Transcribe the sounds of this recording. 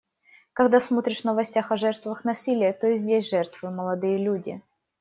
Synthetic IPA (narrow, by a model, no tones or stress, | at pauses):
kɐɡd̪asmo̞t̪ɾʲɪʂnəvɐsʲtʲaxɐʐɛrt̪vəxnɐsʲilʲɪjət̪oɪzʲdʲesʲʐɛrt̪vɨjʊt̪məlˠɐd̪ɨjəlʲudʲɪ̰